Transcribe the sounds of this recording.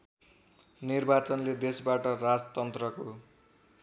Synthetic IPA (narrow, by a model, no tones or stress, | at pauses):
nirbat͡sʌnled̪esbaʈʌɾad͡zt̪ʌnt̪rʌko